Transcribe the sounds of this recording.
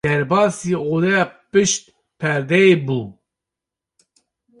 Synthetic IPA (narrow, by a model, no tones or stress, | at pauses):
dɛɾbɑːsiolɛjɑːpɨʃt̪̚ | pʰɛɾd̪ɛeːbuː